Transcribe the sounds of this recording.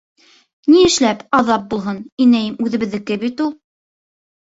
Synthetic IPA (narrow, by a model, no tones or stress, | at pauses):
niɘ̆ʃlæpɑðɑp̚bulˠɦɤninæjmʉðɘ̆βɘ̆ðːɘkɘbit̪ulˠ